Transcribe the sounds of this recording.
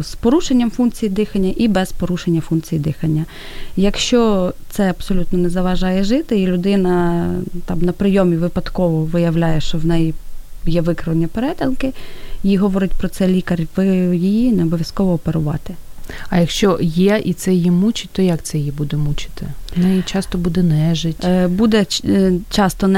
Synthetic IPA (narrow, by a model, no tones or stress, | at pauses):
spɔɾuʃenʲːɐmfunkt͡sʲijid̪ɪxɐnʲːɐʔibɛzpɔɾuʃenʲːɐfunkt͡sʲijid̪ɪxɐnʲːɐ | jɐkʃt͡ʃɔt̪sɛɐbsɔlʲut̪nɔnɛzɐʋɐʒɑjɛʒɪt̪ɪilʲʊd̪ɪnɐt̪ɑmnɐpɾɪjɔmʲiʋɪpɐd̪kɔʋɔʋɪjɐwlʲajɛʃt͡ʃɔwnɛjijɛʋɪkɾɪʋɐnʲːɐpeɾɛt̪ʲɐlˠkɪiɦɔʋɔɾɪtʲpɾɔt̪sɛlʲikɐrʲʋɪjijinɛɔbɔʋʲjɐskɔʋɔːpeɾʊʋɑ̰t̪ɪɐjɐkʃt͡ʃɔjɛit̪sɛjimut͡ʃɪ̥t̚ʲt̪ɔjɐkt̪sɛjjibud̪ɛmut͡ʃɪ̥t̪ɪ̰nɛit͡ʃɑst̪ɔbud̪ɛnɛʒɪtʲbud̪ɛt͡ʃɑst̪ɔn